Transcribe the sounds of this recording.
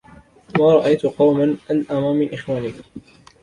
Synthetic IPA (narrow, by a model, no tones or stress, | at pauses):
maːɾˤɑʔajt̪ʊqɑwmanʔalʔamamːɪnʔɪxwaːniːk